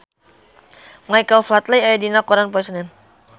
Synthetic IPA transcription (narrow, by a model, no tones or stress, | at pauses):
majkawflat̪lajajad̪inakɔɾanpɔisnɛn